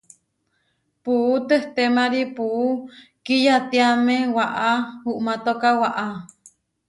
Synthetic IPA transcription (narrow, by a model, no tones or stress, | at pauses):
puʔut̪eht̪emaɾipuʔukijat̪iamewaʔahuʔmat̪okawaʔa